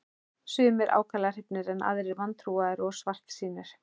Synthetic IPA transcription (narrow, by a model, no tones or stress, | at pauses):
sʏːmɛɾʔa̰ːwkʰalaɣar̥ɪpnɪɾɛnʔa̰ðɾɪɾvant̪ʰɾuːaðɛɾɔɣsvar̥t̪siːnɪɾ̥